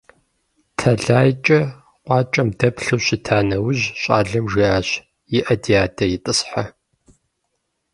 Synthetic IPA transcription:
tʰɐɮaːjt͡ʃʼɐ | qʷɑːt͡ʃʼɐmdɐpɬɨwɕɪtʰaːnɐwʊʑɕʼa̰ːɮɐmʒiaːɕ | jɪʔɐdiaːtʰɐjɪtʼɨsħa

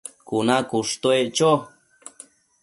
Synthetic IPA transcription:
kunãkuʂt̪oet͡ʃo

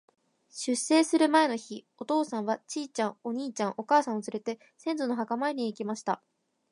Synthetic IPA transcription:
ɕɨse̞ːsɨɾɯ̟mae̞no̞çio̞t̪o̞ːsãɰ̃βat͡ɕiːt͡ɕãŋo̞ɲ̟iːt͡ɕãŋ̃ʔo̞kaːsãɰ̃ot͡sɨɾe̞t̪e̞ | sẽ̞nd͡zono̞ɦakamaeɲ̟ʲiiːkʲimaɕi̥t̪a

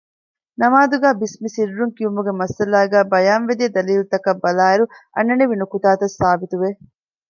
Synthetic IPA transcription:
nɐmaːd̪uɡæːbismisiɾːuŋkiumuɡemɐsɐlaːɡæːbɐjaːnʋed̪iɐd̪ɐliːlut̪ɐkɐbːɐlaːiɾuʔɐ̰nːɐneʋinukut̪aːt̪ɐsːaːbit̪uʋe

